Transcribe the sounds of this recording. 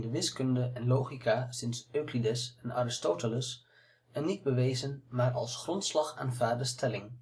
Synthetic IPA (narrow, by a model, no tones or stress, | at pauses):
dəʋɪskɵndəɛnlowχikasɪnsøklidəsɛnaːɾɪstoːtələs | ɛnːid̚bəʋejzənmaːɹɑ̰lˠsχrɔntslɑχa̰ːnvaːrdəstʰɛlɪŋ